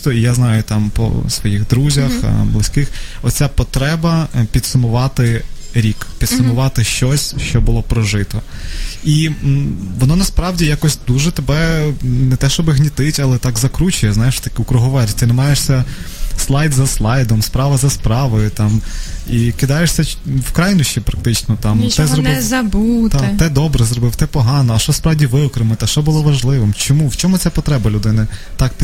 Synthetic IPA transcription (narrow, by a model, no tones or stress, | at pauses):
t̪ɔijaznɑjʊt̪ɑmpɔ̰sʋɔjixd̪ɾuzʲɐxblˠɪsʲkɪxɔt̪ʲt͡sʲapɔt̪ɾɛbɐpʲid̪sʊmʊʋɑt̪ɪ | ɾʲikpʲid̪sʊmʊʋɑt̪ɪʃt͡ʃɔsʲʃt͡ʃɔbʊlˠɔpɾɔʒɪt̪ɔi | ʋɔnɔnɐspɾɑwdʲijakɔsʲd̪uʒɛt̪ebɛnɛt̪ɛʃt͡ʃɔbɪɦnʲit̪ɪtʲɐlˠɛt̪ɑkzɐkɾut͡ʃʊjɛznɑjeʃt̪ɐkɪʊkɾʊɦɔʋɛɾʲt̪ɪnɛmɑjeʂsʲɐ | slˠɑjt̪zɐslˠɑjd̪ɔmspɾɑʋɐzɐspɾɑʋɔjʊt̪ɑmikɪd̪ɑjeʂsʲɐ | wkɾɑjnʊʃipɾɐk̚t̪ɪt͡ʃnɔt̪ɑmt̪ɛzɾɔɪzɐbut̪t̪ɛd̪ɔbɾɛzɾɔbɪwt̪ɛpɔɦɑnɔɐʃt͡ʃɔspɾɑwdʲiʋɪɔkɾɪmɪt̪ɛʃt͡ʃɔbʊlˠɔʋɐʒlˠɪʋɪmt͡ʃɔmuwt͡ʃɔmʊt͡sʲapɔt̪ɾɛbɐlʲʊd̪ɪnɪt̪ɑkt̪